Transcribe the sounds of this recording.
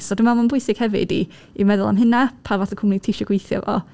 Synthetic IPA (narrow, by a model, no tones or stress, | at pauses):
sɔdɪmamanbʊɨsɪɡ̥hɛvɪ̰dḭ | imɛðʊlˠa̰mɦɪnapʰavatəkʰʊmnitʰeʃɔɡwejθja̰vɔ̰